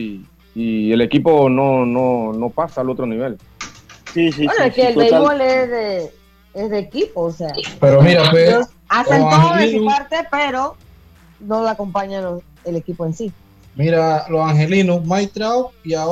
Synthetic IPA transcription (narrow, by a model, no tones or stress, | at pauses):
iele̞kipo̞nonono̞pasaːlot̪ɾonĩβel | sisienoeskeːlejɣolesðe | esðeːkipoːseapeɾomiɾapweo | asenaoŋhelinupaɾt̪epeɾo̞ | nolako̞mpaɲalos | elekipoensi | miɾalosaŋhe̞linusmajt̪ɾawia